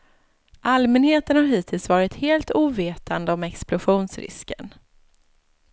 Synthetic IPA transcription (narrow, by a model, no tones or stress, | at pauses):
ʔalmɛnheːt̪ənhaɾɦiːt̪ʰɪlsvɑːɾɪt̪heːlt̪uːveːt̪ʰa̰nd̪əɔmɛksplʊɧuːnsɾɪ̰skə̰n